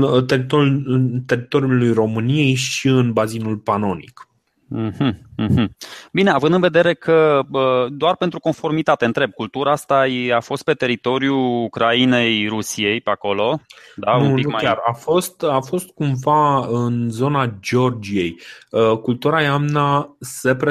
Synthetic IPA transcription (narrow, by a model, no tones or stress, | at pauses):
t̪eɾit̪out̪e̞ɾit̪o̞ɾjulujro̞mɨnije̞jʃiɨnbazinulpano̞nḭk̩ | hm̩hm̩bineavɨnd̪ɨnve̞d̪e̞ɾe̞kʰəəd̪oarpe̞nt̪ɾuko̞nfo̞rmit̪at̪e̞ɨnt̪ɾe̞b̚kult̪uɾaast̪ajafo̞st̪̚pe̞t̪e̞ɾit̪o̞ɾjuːkɾaine̞jrusije̞jpeako̞lo̞d̪anumuiukmajʲarafo̞st̪afo̞st̪̚kumvaɨnzo̞nad͡ʒo̞rd͡ʒije̞jəkult̪uɾaeamnase̞pɾe